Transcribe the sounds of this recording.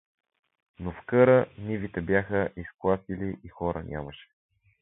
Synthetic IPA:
nofkɤɾənivit̪ɛbjaxəʔisklˠasiliʔixɔɾʔə̰nʲʔa̰məʃɛ̥

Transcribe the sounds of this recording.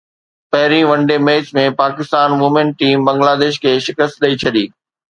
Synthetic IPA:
pɐɦɪɾĩʋɐ̃ɳɖemeːt͡ɕmẽpaːkɪst̪aːnʋʊmẽnʈ̚ʈiːmbɐ̃ŋɡlaːd̪eːʃ̬kʰeːʃɪkəst̪̚ɗɐit͡ɕʰɐɗiː

